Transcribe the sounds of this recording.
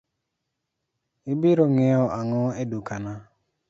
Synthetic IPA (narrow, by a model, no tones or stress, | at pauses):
ɪbɪɾɔŋɛɔʔaŋɔedukana